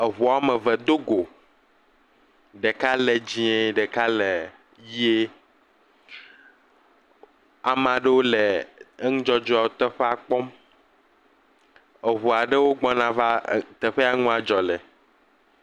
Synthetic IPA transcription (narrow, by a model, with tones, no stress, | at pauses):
e˨ɦu˨a˨mɛ̃˨vɛ˨d̪o˦ɡo˨ | ɖe˨ka˦lɛ˨d͡ʑĩ˦e˦ɖɛ˨ka˦le˨ | ji˦e˦ | a˨mã˨ɖe˦wo˦lɛ˨˦ŋũ˦d͡ʒɔ˦d͡ʒɔ˦a˦˨wo˦t̪ɛ˦ɸe˦a˨k͡pɔ˦m | e˨βu˨a˨ɖe˦wo˦ɡ͡bɔ˦nã˨va˦t̪ɛ˨ɸe˦a˦ŋũ˦a˨d͡ʒɔ˨lɛ˨